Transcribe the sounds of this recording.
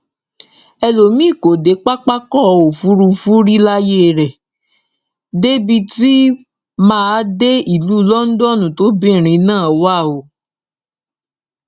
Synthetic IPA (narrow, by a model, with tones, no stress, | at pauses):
ɛ˧lo˨mĩ˦˨ko˨de˨˦k͡pa˦k͡pa˦kɔ˦˨o˨fu˨˦ɾu˧fu˦ɾi˦la˦je˦ɾɛ˨ | de˦bi˧ti˦ | mãː˦de˦i˦˨lu˨˦lɔ˦n̩˦dɔ˦˨nũ˨to˨˦bĩ˦˨ɾ̃ĩ˧˦nãː˦˨wa˦˨o˨˦